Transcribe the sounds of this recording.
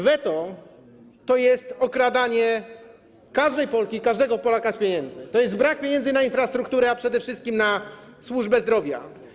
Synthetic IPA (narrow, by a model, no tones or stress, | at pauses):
vɛt̪ɔ | t̪ɔjɛst̪ɔkɾad̪aɲɛ | kaʐd̪ɛjpɔlkʲikaʐd̪ɛɡɔpɔlakaspʲjeɲɛnd̪zɘt̪ɔjɛst̪̚bɾak̚pʲjeɲɛ̃nzɘnainfɾast̪ɾuk̚t̪uɾɛapʂɛd̪ɛfʂɘst̪kʲimnaswuʐbɛzd̪ɾɔvʲja̰